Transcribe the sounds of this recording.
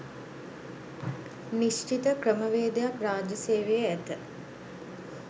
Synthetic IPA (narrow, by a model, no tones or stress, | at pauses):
niʃt͡ʃit̪əkrəməʋeːd̪ejakraːd͡ʒəseːʋejəæt̪ə